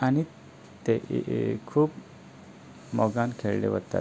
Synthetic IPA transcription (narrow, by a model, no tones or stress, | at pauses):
ani | t̪eʔkʰuːp | mɔɡankʰeɭlḛʋət̪ːa̰t̪